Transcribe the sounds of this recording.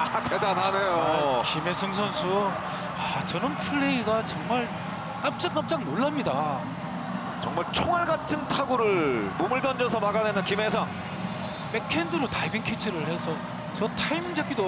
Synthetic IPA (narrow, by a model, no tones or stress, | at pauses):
atedananejokime̞sʰɯŋs̬ʰʌnsʰu | at͡ɕʌnɯnpʰuɭːeiɡat͡ɕʌŋmaɭ | k͈ap̚t͡ɕ͈aŋk͈ap̚t͡ɕ͈aŋnoɭːamɲida | t͡ɕʌŋmaɭt͡ɕʰoŋaɭɡatʰɯntʰaɡuɾɯɭmomɯɭdʌnd͡ʑʌsʰʌmaɡanenɯnkimesʰʌŋ | p͈ekʰendɯɾotaibinkʰit͡ɕʰɯɾɯɭhe̞sʰʌ | t͡ɕʌtʰaimid͡ʑak͈ido